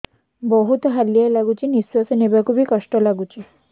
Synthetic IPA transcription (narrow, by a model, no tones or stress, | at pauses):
bɔɦut̪ɔɦalːijalaɡut͡ʃinisːuasenebakʰubikɔsʈɔlaɡut͡ʃi